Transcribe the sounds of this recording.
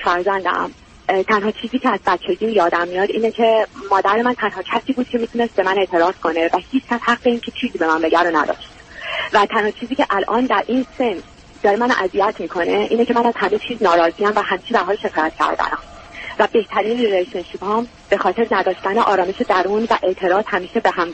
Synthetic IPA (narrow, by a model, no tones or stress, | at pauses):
fæɾzænd̪æ̰m | t̪ʰænɦɒːt͡ʃʰiːziːcʰeæzbæt͡ʃʰːed̪iːnjɒːd̪æmːijɒːd̪ḭːnecʰe̞mɒːd̪æɾemænt̪ʰænɦɒːcʰæsiːbuːd̪̥̚cʰe̞miːt̪ʰunest̪̚be̞mæne̞ʔt̪ʰe̞ɾɒːz̥kʰo̞ne̞væhiːt͡ʃʰcʲʰæshæɢbeiːncʰe̞t͡ʃʰiːziːbe̞mænbe̞ɟæɾonæ̰d̪ɒ̰ːʃt̪ | væt̪ʰænhɒːt͡ʃʰiːziːcʰeʔælʔɒːnd̪æɾʔiːnsens | d̪ɒːɾemænʔæzijæt̪ʰmiːkʰo̞neʔiːnecʰe̞mænæz̥hæme̞t͡ʃʰiːznɒːɾɒːziæmvæɦæmiːt͡ʃʰib̪æɾɦɒːlʃe̞kʰɒːjæt̪̚cʲʰæ̰ɾd̪æ̰næ̰mvæbe̞ht̪ʰæɾiːnɾeʃenʃiːbhɒːm | b̥e̞xɒːt̪ʰe̞ɾnæd̪ɒːʃt̪æneʔɒːɾɒːmeʃed̪æɾuːnvæʔe̞ʔt̪ʰe̞ɾɒːz̥hæmiːʃebehæm